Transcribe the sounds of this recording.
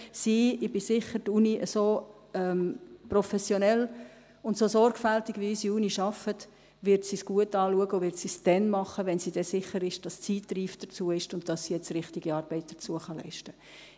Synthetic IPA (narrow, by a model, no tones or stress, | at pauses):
siːɪb̥ɪsɪχəɾtuniʔəsoː | ɛmprofɛsjonɛl | ʊntsosɔɾɡfæltɪɡʋiysiuːniʃɑfət | ʋɪɾtsisɡ̥uətɑːluəɡəovɪɾtsisd̥ɛnmɑχəʋɛnsid̥ɛsɪχəɾɪʃd̥ɑst͡siːtːriːfd̥ət͡suəɪʃtʊntd̥ɑsːijɛt͡srɪχtiɡ̥iɑːɾb̥ɛɪt̚d̥ə̥t͡suəχɑlɛ̰ɪʃtə